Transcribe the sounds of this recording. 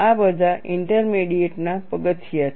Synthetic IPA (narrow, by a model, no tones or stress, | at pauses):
abəd̪ʱaʔiɳʈəɾmiɽieʈnapəɡət̪ʰijat̪